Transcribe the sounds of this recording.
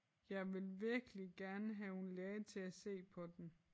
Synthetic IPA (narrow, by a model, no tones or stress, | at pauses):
jɑ̈ɪʋe̝lʋiɐɡ̥əliɡ̥æɐnəɦæunlɛɪt͡sʰe̝æse̝̰ːpʰɒ̽d̥en